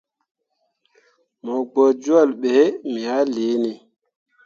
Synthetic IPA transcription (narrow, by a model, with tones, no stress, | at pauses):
mɔ˨ɡ͡bɔ˨d͡ʒu˦ɔ˦˨lɓɛ˨e˦mi˨ha˦le˨˦ni˨